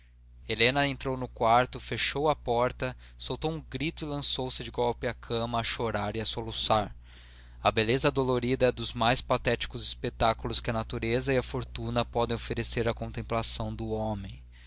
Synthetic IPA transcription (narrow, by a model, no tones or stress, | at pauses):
elẽnɐẽnt̪ɾownʊkwaɾt̪ʊfeʃowɐpɔɾt̪ɐ | sowt̪owũɡɾit̪ʊɪlɐ̃sowsɪd͡ʒɪɡɔwpɪɐkʰɐ̃mɐːʃoɾaɾɪɐsolusaɾ | ɐbelezɐd̪oloɾid̪ɐɛd̪ʊzmajspat̪ɛt͡ʃi̥kʊzɪspet̪akulʊskɪɐnat̪uɾezɐiɐfoɾt̪unɐpɔd̪ẽj̃ofeɾeseɾɐkõñt̪ẽmplasɐ̃w̃d̪ʊomẽj̃